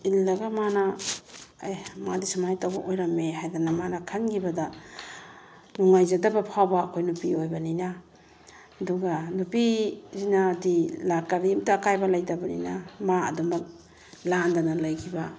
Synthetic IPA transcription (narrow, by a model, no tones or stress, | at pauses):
ilːɐɡamana | ajmadisamajtawba̰ʔojɾɐmːeɦajdanamanɐkʰanɡibɐda | nuŋajzadɐbɐpʰawbaːkʰojnupiojbɐninaː | duɡanupizinadilakaɾimtaːkajbalajdɐbɐnḭnamaɐ̰dumɐk̚ | landanalajkʰiba